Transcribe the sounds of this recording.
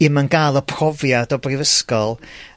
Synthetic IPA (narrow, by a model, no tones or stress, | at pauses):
ɪmənɡalˠəpʰrɔvjadɔbrɪvəskɔlˠ